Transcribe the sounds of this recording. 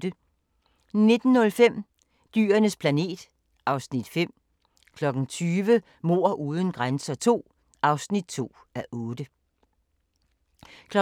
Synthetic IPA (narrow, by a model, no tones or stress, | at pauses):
d̥ə | ne̝d̥n̩ːɔ̽lfem̰ | d̥y̰ːɐnəspʰlæne̝̰ːd̥ | ʔɑ̈ʊsnid̥fem̰ | kʰlɒ̽ɡ̥n̩t͡sʰyːʋə | mo̝ɐ̰ʔuːð̞ˠn̩ɡ̥ʁansɐt͡sʰo̝̰ː | ɑ̈ʊsnid̥̚t͡sʰo̝̰ː | æʔɔːd̥ə | kʰlɒ